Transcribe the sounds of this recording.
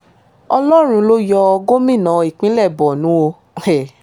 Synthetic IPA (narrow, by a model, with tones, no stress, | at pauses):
ɔ˧lɔ˦ɾ̃ũ˧lo˦jɔ˧ɔ˧ɡo˦mĩ˦˨nã˨˦˧i˨k͡pĩ˨˦lɛ˦˨bɔ˨nũ˨˦o˧ | ɛ˨